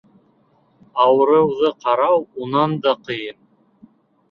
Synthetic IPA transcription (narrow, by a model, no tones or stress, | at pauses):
ɑwɤɾɤ̆wðɤqʰɑɾɑwunɑnd̪ɑqɤ̆jɤn